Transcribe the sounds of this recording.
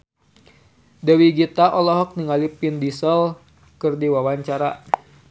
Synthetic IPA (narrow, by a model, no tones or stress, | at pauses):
dɛwiɡit̪aʔɔlɔɦɔk̚niŋalipindisəl | kɨrdiwawaɲt͡ʃaɾa